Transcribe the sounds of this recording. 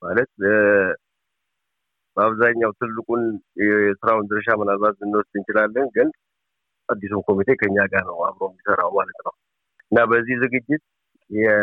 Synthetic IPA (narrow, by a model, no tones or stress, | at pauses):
malət̪̚ | b̥əaβzaɲːawt̪ʰɨlːɨkʼunjɛsɨɾawnd̪əɾʃamənalβat̪ɨnːwɔst̪ʼɨnt͡ʃɪlalːənɡɨn | ʔad̪ːisumkʰo̞mit̪ʰe̞kʰəɨɲːaɡanəwa̰βɾomjisəɾawmalət̪nəw | ʔɨnːabəzːihzɨɡɨd͡ʒːɪt̪̚ | jjɛ